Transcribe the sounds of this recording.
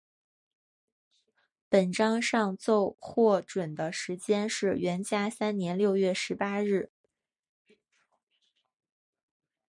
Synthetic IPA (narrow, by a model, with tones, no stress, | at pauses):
pə˨˩nʈ͡ʂɑ˥ŋʂɑ˥˧ŋt͡so˥˧ʊxwɔ˥˩ʈ͡ʂwə˨˩nd̪ə˦ʂɻ̩˧˥t͡ɕjɛ˥nʂɻ̩˥˩ɥɛ˧˥nt͡ɕja˥sa˥nnjɛ˧˥nljo˥˧ʊɥɛ˥˩ʂɻ̩˧˥pa˥ɻɻ̩˥˩